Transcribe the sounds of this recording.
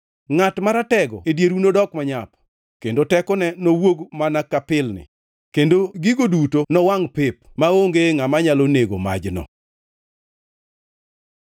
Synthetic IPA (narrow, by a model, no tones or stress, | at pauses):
ŋatmaɾatɛɡɔ̰edjeɾunodɔkmaɲap | kendotɛkɔnɛnowoɡmanakapɪlnɪ̰ | kendoɡiɡodutonɔwaŋpɪp̚ | maoŋɡeŋamaɲaloneɡo̰ma̰d͡ʒnɔ̰